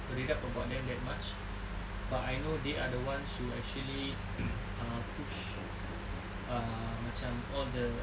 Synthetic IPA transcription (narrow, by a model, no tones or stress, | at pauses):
bəɾidapəbawt̚dɛ̃mdɛt̚mat͡ʃ | batajnodeʔadəwãnshuɛ̰k̚t͡ʃuəli | ãpʰut͡ʃ | a | mãt͡ʃãm | ɔldə